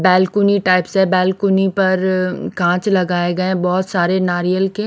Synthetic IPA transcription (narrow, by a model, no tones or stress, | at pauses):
bɛːlkuniʈaːɪpsɦɛbɛːlkunipɐɾkãːt͡ʃlɐɡaːeɡɐẽbɔːʊt̪saːɾenaːɾijəlke